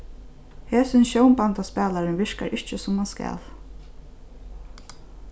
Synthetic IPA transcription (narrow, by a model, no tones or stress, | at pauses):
heːsɪnɕowmpant̪aspɛːlaɾɪnʋɪɹka̰ɹʔɪht͡ʃəsʊmanskɛ̰ːl